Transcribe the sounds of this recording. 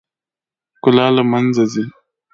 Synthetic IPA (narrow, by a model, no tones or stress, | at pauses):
kʊlaːlamanzazi